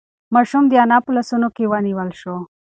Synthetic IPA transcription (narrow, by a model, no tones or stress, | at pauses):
mɑʃumd̪janɑpulasunokewəniwəlʃo